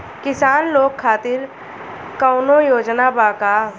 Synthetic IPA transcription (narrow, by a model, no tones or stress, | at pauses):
kɪsaːnloːkʰːaːt̪ɪɾ | kɔʊnojoːd͡ʒnabaːka